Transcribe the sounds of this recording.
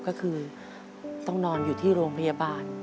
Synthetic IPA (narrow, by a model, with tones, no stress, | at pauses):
kɔː˥˩kʰɯː˧ | t̪ɔ˥˩ŋnɔː˧njuː˨˩t̪ʰiː˥˩ɾoː˧ŋpʰa˧jaː˧baː˧n